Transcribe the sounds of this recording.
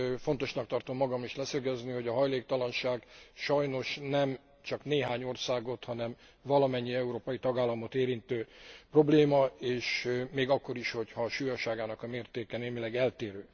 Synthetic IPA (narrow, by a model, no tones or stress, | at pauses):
fo̞nt̪o̞ʃnɒk̚t̪ɒrt̪o̞mːɒɡɒmiʃlɛsøɡɛzniho̞ɟɒɦɒjleːk̚t̪ɒlɒnʃaːɡʃɒjno̞ʃnɛm | t͡ʃɒkneːɦaːɲo̞rsaːɡo̞t̪hɒnɛm | vɒlɒmɛɲːiɛuɾoːpɒjit̪ɒɡaːlːɒmo̞t̪eːɾint̪øːpro̞bleːmɒeːʃmeːɡɒkːo̞ɾiʃho̞chɒːʃuːjɒʃaːɡaːnɒkɒmeːrt̪eːkɛneːmilɛɡɛlt̪eːɾøː